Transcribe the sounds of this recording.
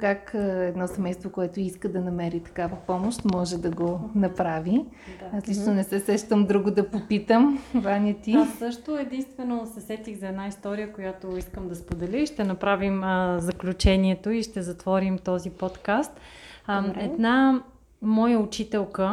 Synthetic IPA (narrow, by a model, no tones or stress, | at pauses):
kakɛd̪nɔsɛmɛjst̪vokoɛt̪oiskəd̪ɐnɐmɛɾit̪ɐ̥kavəpɔmoʃt̪mɔʒɛd̪ɐɡonɐpɾavi | aslit͡ʃnonɛsɛsɛʃt̪əmd̪ɾuɡʊd̪ɐpopit̪əmvanʲət̪isɤʃt̪ʊɛd̪inst̪vɛnosɛsɛt̪iɣzɐɛd̪naist̪ɔɾijəkojat̪oiskəmd̪ɐspod̪ɛlʲəiʃt̪ɛnɐpɾavimzɐklʲut͡ʃɛniɛt̪oiʃt̪ɛzɐt̪vɔɾimt̪ɔzipɔt̪kast̪ | ɛd̪na | mɔjəʊt͡ʃit̪ɛlˠkə